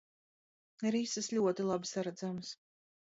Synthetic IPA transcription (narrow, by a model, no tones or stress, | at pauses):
iɾisɨslʲuɔt̪ilˠabsaɾad̪zams